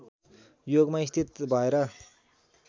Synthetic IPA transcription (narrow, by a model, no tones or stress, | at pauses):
joɡmaist̪ʰit̪bʱʌeɾʌ